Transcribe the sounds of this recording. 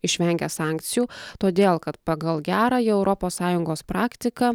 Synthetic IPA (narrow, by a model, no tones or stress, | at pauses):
ɪʃʲʋʲɛŋʲɡʲɛsɑːˑŋʲkt̪sʲɪjuːt̪oːd̪ʲeːlˠkɐt̪pɐɡɐlˠɡʲæːɾɑːjɛʊɾʔɔpoːssɑːjʊŋɡoːspɾɑːkt̪ʲɪkɑ